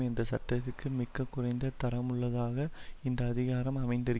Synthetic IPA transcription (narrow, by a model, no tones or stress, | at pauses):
ɛnd̪ɐsɐʈːɐt̪ːɪkːɯmɪkːɐkːʊrɐɪnd̪ɐt̪ɐɾɐmɯɭːɐðaːɣɐɪnd̪ɐːðɪɣaːɾɐmɐmɐɪnd̪ɪɾɯ